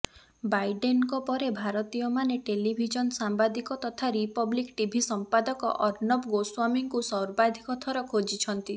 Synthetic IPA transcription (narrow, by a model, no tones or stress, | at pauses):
bajɖenkɔpɔɾebʱaɾɔt̪ijɔmaneʈelibʱid͡ʒɔnsambad̪ikɔt̪ɔt̪ʰaɾipɔblikʈibʱisɔmpad̪ɔkɔ̰ʔɔɾnɔbɡoswamiŋkusɔwɾbad̪ʱikɔt̪ʰɔɾɔkʰod͡ʒit͡ʃʰɔnt̪i